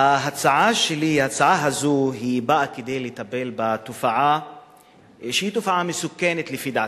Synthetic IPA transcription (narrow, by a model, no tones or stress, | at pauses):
aɦat͡saʕaʃelihat͡saʕaɦazuɦibaʔaked̪ejlet̪abelbat̪ufaʕa | ʃehit̪ufaʕamesukːenet̪lefid̪aʕ